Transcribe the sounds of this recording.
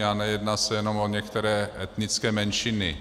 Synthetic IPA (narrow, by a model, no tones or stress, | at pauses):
anɛjɛdnaːsɛjɛno̞moɲɛkt̪ɛɾɛːɛt̪nɪt͡skɛːmɛnʃɪnɪ̰